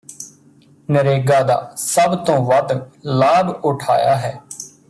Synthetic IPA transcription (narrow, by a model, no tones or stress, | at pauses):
nəɾeːɡaːd̪a̰ːsəbt̪õːʋəd̪laːbʊʈʰa̰ːja̰ːɦɛː